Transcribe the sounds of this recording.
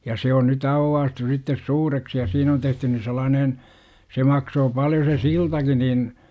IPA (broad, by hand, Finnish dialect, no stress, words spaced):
jɑ se on nyt ɑuwːɑːstu sitːes suːreksi jɑ siːn on tehtyn ni selˑɑːnen se mɑksoː pɑljo se siltɑki nin